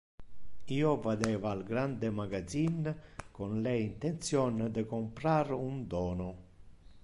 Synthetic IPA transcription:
iːovad̪ɛːvaːlɡɾand̪emaɡad̪zinkonlɛint̪ent̪sjɔnd̪əkompɾaɾund̪ɔːno

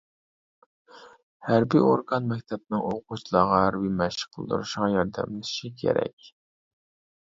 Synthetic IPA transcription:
hæɾbioɾɡɑnmɛkʲt̪ʰɛb̚nɨŋoqut͡ʃʰlˠɑʁɑɦæɾbimɛʃə̥qʰəlˠd̪ṵɾuʃəʁɑjɑɾd̪ɛ̰mlɪsʃikʲʰḛɾɛ̰kʲ

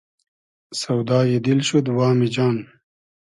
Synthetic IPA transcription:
sɐwd̪aːjed̪ilɕud̪waːmid͡ʑaːn

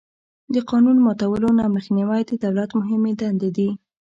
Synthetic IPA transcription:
d̪əqɑnunmɑt̪awəlonɑməxniwajd̪əd̪awlat̪mʊɦɪmed̪and̪ed̪i

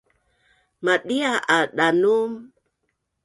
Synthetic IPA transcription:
maɗiaʔaɗanum

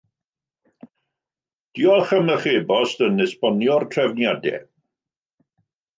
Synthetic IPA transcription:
d̥iɔχəməχebɔstənɪspɔnjɔrtʰrɛvnjadɛ̰

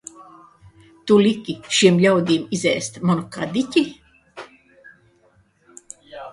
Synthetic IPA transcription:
t̪ulikʲiʃiɛmʎʲawd̪ʲiːmizɛːst̪mɔnukad̪ʲicʲi

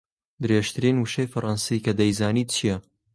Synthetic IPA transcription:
d̪ɨɾeːʃt̪ʰɨɾiːnwɨʃejfɐɾˤɑnsikɐd̪ɐjzaːniːt͡ʃʰijɐ

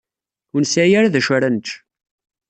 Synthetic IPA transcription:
unsæjæɾaðæʃæɾænət͡ʃː

